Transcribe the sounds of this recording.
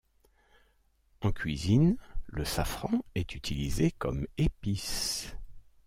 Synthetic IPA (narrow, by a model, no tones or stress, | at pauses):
ɑ̃kʲɥizinləsafχɑ̃ɛt̪yt̪ʰilizekɔmepis